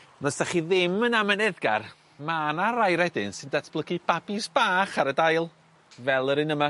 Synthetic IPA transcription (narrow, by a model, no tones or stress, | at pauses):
nɔsd̥aχiðɪmənamənɛðɡa̰r | manaɾajɾɛdɪnsɨndatʰb̥lˠəɡɨb̥abɨsb̥aːχaɾədajlˠ | vɛlˠəɾɨnəma